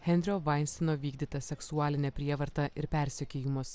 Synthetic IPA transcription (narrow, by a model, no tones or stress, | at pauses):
hʲɛnʲd̪ʲɾʲɪoːʋɐɪnʲsʲɛnoːʋʲiːɡd̪ʲiːt̪ɐsʲɛksuɑːlʲɪnʲɛpʲɾʲiɛʋɐɾt̪ɐʔɪɾpʲɛˑɾʲsʲɛkʲeːjɪmɐs